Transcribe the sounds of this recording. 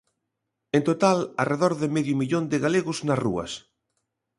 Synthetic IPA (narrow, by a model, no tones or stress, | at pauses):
ẽnt̪ot̪alɐreðɔɾðɪmeðjʊmiʎond̪ɪɣaleɣʊznɐsrṵɐ̰s